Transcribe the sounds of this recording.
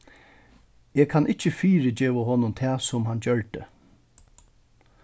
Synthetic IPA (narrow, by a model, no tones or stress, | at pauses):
eːkʰanʔɪht͡ɕːəfiːɹɪd͡ʑeːʋaɦɔnːʊnt̪ʰɛːsʊmɦand͡ʑœɹt̪ə̰